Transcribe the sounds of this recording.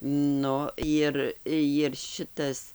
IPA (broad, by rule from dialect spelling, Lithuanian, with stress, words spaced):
ˈnʊ ˈjɪr jɪr ˈʃʲɪtɐs